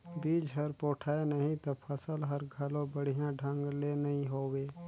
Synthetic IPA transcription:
biːd͡ʒɦəɾpoːʈʰaːenəɦĩt̪opʰəsəlɦəɾɡʱəlõbəɽ̤ijãɖʱə̃ŋɡlenɐɦĩɦoːweː

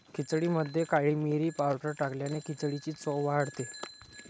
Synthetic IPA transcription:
kʰit͡sɽiməd̪ʱːjekaɭiːmiɾiːpawʈəɾʈakljanekit͡sɽit͡ɕiːt͡sɔʋaaɽt̪e

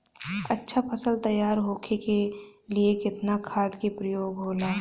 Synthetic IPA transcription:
ə̰tːʃʰapʰəsəlt̪əjaːɾɦoːkʰekeliekɪt̪nakʰaːd̪kipɾəjoːɡɦoːlaː

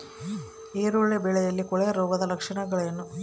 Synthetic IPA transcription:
eːɾuɭːebeɭejɐlːikɔɭejɐɾoːɡɐd̪ɐlɐkʂɐɳɐɡɐɭjɐnːu

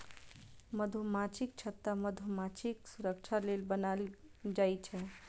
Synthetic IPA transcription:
məd̪ʱumat͡ʃʰik̚t͡ʃʰət̪ːəməd̪ʱomat͡ʃʰiksuɾək̚t͡ʃʰalelbənald͡ʒajt͡ʃʰɛ

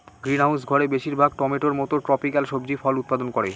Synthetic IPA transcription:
ɡɾinawsɡʱɔɾebeʃiɾbʱaɡ̚ʈɔmeʈoɾmɔt̪oʈɾɔpikalʃobd͡ʑifɔlut̪̚pad̪onkoɾe

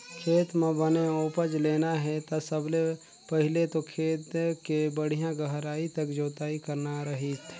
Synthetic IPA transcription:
kʰeːt̪mẽbəneopəd͡ʒleːnaɦɛt̪asəble | pəɦɪlet̪okʰeːt̪kebəɽ̤ijãɡəɦɾaːit̪ɐkd͡ʒoːt̪aːikəɾnaɾɐɦiːt̪ʰ

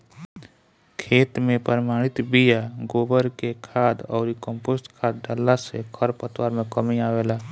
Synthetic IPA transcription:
kʰeːt̪mẽpəɾmaːɽ̃ɪt̪bijaɡoːbəɾkekʰaːd̪ɔːɾikə̃mpoːsʈkʰaːd̪̚ɖəlːasekʰəɾpət̪waːɾmẽkəmiaːʋeːlaː

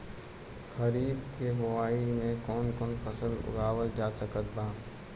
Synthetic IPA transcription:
xəɾiːb̪kebʊwaːimẽkɔːnkɔːnpʰəsəlʊ̰ɡaːwəld͡ʒaːsəkət̪̚bãː

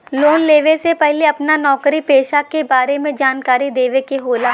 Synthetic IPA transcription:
loːnleːʋesepɛɦleɐpnanɔːkɾipeːʃakebaːɾemẽd͡ʒaːnkaːɾid̪eːʋekeɦoːla

